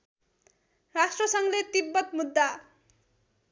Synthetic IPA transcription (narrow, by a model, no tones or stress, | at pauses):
rasʈrʌsʌŋlet̪ibːʌt̪̚mud̪ːa